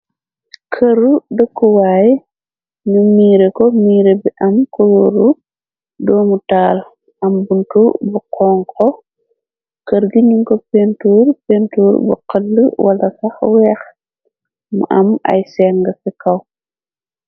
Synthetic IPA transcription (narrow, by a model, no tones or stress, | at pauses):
kʰəɾudəkːuwaːj | ɲumiːɾekɔmiːɾebiʔɐmkɔloɾu | dɔːmutaːl | ʔɐmbuntubuqʰɔːŋkʰɔ | kəɾɡiɲuŋkɔpentuːrpentuːɾbṵqəlːəwɐlɐsɐxwɛːx | mṵʔɐmɐ̰jsɛŋɡɐfɛkɐw